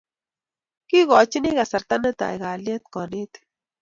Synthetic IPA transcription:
kiɣot͡ʃiniɣasaɾt̪anet̪a̰iɣaljat̪konit̪

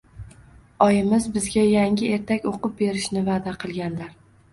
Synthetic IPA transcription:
ɒjɪmɪzbɪzɡʲajaŋʲɪe̞ɾt̪ʰakʲoqɨp̚be̞ɾɪʃnɪvad̪aqʰɨlˠɡʲanlaɾ

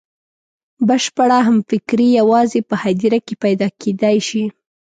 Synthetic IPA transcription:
bəʃpaɽaɦamfɪkɾijawɑzepəhad̪iɾakepajd̪ɑked̪ajʃi

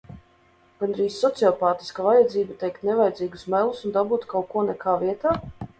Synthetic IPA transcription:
ɡ̥anɾiːsʲːɔt̪siɔpaːt̪i̥skavajad̪ziːbat̪ɛjkt̪nevajd̪ziːɡusmɛlˠusund̪abuːt̪kawkuɔnɛkaːviɛt̪aː

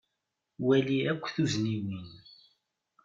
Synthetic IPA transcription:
wæliækʷːθuzniwin

